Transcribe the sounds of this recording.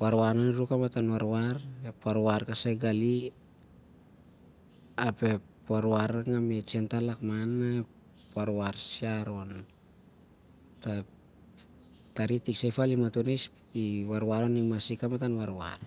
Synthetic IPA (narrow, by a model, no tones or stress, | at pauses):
waɾwananɾukamatanwaɾwaɾepaɾaɾkasaɡali | ape̞pwaɾoaɾaŋamet͡ʃentalakmana | pwaɾwaɾsiaɾon | ta | taɾitiksajfalimatonejs | iwaɾaɾonimasikamatanwaɾwa̰ɾ